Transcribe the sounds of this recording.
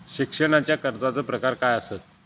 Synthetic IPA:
ɕikʂəɽ̃at͡ɕjakəɾt͡sat͡səːpɾəkaɾkajəset̪̚

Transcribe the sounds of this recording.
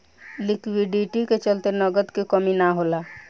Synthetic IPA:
lɪkwiɖiʈiket͡ʃəlt̪enəɡəd̪kikəminaɦoːlaː

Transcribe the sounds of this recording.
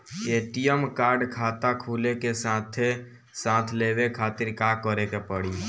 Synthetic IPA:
eːʈijəmkaːɾɖkʰaːt̪akʰuːlekesãːt̪ʰe | sãːt̪ʰlewekʰaːt̪ɪɾkakəɾekepəɽi

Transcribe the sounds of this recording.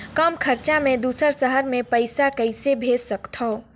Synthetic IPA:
kəmkʰəɾt͡ʃamẽd̪uːsəɾsəɦəɾmẽpəɪsakəɪsebʱeːd͡ʒsəkt̪ʰɔː

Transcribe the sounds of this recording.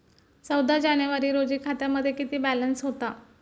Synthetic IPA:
t͡səwd̪ʱad͡ʑanjəʋaɾiːɾod͡ʑiːkʰat̪jaməd̪ʱːjekit̪iːbælənsɦot̪a

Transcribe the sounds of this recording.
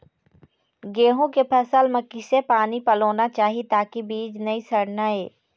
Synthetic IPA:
ɡeːɦõkepʰɐsəlmɐkːisepaːnipɐloːnat͡ʃaːɦit̪aːkibiːd͡ʒnɐisɐɽnaeː

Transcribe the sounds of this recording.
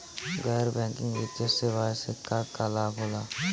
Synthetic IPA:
ɡəːɾbɛ̃ːŋkɪ̃ŋɡʋɪt̪jəseʋaːjsekakalaːbʱoːlaː

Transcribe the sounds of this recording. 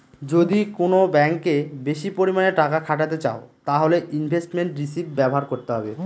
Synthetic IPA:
d͡ʑod̪ikonobɛŋkebeʃipoɾimaneʈakakʰaʈ̬at̪̬et͡ɕa̰ot̪aɦoleʔinbʱesʈmeɳʈɾisibbɛboɦaɾkoɾt̪eɦɔbe

